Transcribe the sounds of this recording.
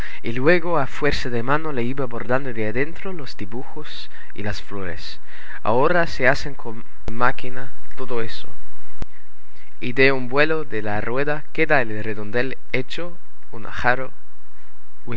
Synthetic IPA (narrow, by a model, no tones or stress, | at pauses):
ilweɣoafweɾsaðemanoleiβaboɾðand̪oðeaðent̪ɾolozd̪iβuxos | ḭlasflo̞ɾḛs | a̰oɾaseaseŋkon | makinat̪oðoeso | id̪eumbwe̞loðelarweðakeðaelreðond̪el | et͡ʃo | unʔa̰xaɾo | we